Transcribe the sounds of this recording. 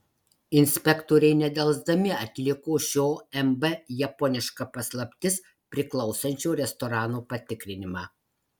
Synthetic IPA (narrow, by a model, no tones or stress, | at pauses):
ɪnʲsʲpʲɛkt̪oːɾʲɛɪnʲɛd̪ʲɛlˠzd̪ɐmʲɪɐt̪ʲlʲɪkoːʃʲoːɛmbɛjɛpɔnʲɪʃkɐpɐslˠɐpʲt̪ʲɪs | pʲɾʲɪklˠɒʊsɐnʲt͡ʃʲoːɾʲɛst̪ɔɾɑːnoːpɐt̪ʲɪkɾʲɪnʲɪmɑː